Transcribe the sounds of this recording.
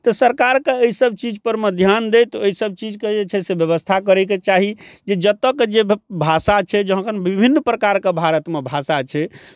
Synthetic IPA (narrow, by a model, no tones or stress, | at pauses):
t̪ɔsəɾkaɾkeəisəbt͡ʃid͡ʒpəɾməd̪ʱjand̪et̪əisəb̚t͡ʃid͡ʒked͡ʒet͡ʃʰɛsebjəβəst̪ʰakəɾɛket͡ʃaɦid͡ʒed͡ʒət̪əkd͡ʒebʱasat͡ʃʰɛd͡ʒəɦə̃kənbibʱinːpɾəkaɾkebʱaɾət̪mebʱasat͡ʃʰɛ